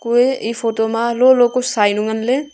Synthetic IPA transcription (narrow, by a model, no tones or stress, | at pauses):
kueipʰotomalolokosajnuŋɐnle